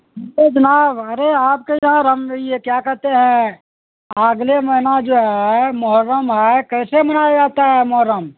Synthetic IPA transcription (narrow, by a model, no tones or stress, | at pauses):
ed͡ʒɐnaːbɐɾeaːp̚kejɐɦãɾəmjekjaːkɛɾt̪eɦɛ̃ | əɡlemɐɦɪnad͡ʒoːɦɛmɔɦəɾːəmɦɛkɛːsemɐnaːjad͡ʒaːt̪aɦɛmɔɦəɾːəm